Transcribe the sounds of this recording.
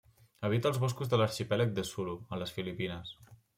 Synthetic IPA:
əβ̞it̪əːlˠzβoskuzðələɾʃipɛlək̚d̪əsuluələsfilipinəs

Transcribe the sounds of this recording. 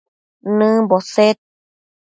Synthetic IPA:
nɨ̃boset̪̚

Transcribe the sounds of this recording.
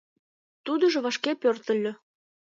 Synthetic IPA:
t̪ud̪ɤ̆ʒŏβɑʃkepørt̪ə̆lʲːø̆

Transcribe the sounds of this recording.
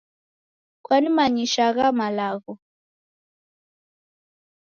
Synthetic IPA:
kwanimaɲiʃaɣamalaɣɔ

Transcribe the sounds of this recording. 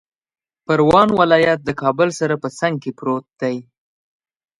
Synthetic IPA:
pəɾwɑnwɪlɑjat̪̚d̪əkɑbəlsaɾapəsaŋɡ̚kepɾot̪̚d̪̥aj

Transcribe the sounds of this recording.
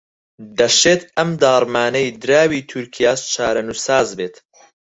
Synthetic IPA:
d̪ɐʃeːt̪ɐmd̪aːɾˤmaːnɐjd̪ɨɾaːwiːt̪ʰuɾkʰijaːʃt͡ʃʰaːɾɐnusaːzbeːt̪

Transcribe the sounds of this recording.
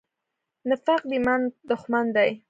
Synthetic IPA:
nafaq̚d̪imand̪ʊxmand̪aj

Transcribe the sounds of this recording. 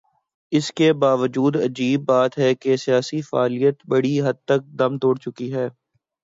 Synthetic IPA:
ɪskebaːʋəd͡ʒuːd̪ɐd͡ʒiːbːaːt̪ɦɛkesijaːsifaːlijət̪bɐɽiɦɐd̪̚t̪ɐk̚d̪ɐmt̪oːɽt͡ʃʊkiɦɛː

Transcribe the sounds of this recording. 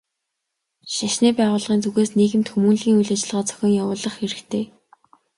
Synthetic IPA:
ʃaʃniːpæːʁʊːɮʁiːnt͡suɣeːsneːɣɘ̆mt̪xumunɮɣʲiːŋujɮat͡ɕɪ̆ɮʁɔːt͡sʰœ̥xʲɪ̆ŋjawʊːɮə̆χxeɾɘ̆kt̪ʰeː

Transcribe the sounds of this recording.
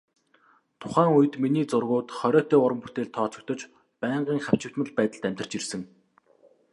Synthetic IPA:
t̪ʰʊ̥χæːŋujɘ̆t̪miniːt͡sʊrɣʊːt̪χɔɾʲɔːt̪œːʊɾə̆mput̪eːɮt̪ʰːɔːt͡sɞ̆k̚t̪ɞ̆t͡ɕ | pæːɴɢiːŋχaw̥t͡ɕɪ̆w̥t̪mə̆ɮpæːt̪ə̆ɮt̪æm̥ʲt̪ə̆r̥t͡ɕirsɘ̆ŋ

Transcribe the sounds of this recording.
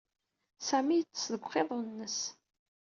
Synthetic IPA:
sæmijət͡sːəsðəɡʷχeðˤnːəs

